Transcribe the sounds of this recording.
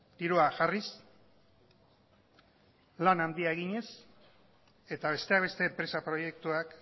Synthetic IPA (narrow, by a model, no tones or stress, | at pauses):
d̪iɾuaʝaris | lanand̪iaeɣiɲe̞s | e̞t̪aβ̞e̞st̪e̞akβe̞st̪e̞ːmpɾe̞sapɾo̞je̞k̚t̪uak